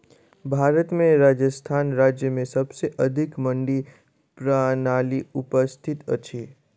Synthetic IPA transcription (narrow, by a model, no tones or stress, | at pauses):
bʱaːɾət̪mẽɾaːd͡ʒəst̪ʰaːnɾaːd͡ʒjəmẽsɐbseʔɐd̪ʱɪkmə̃ɳɖi | pɾanaːliʊpəst̪ʰɪt̪ə̰t͡ʃʰi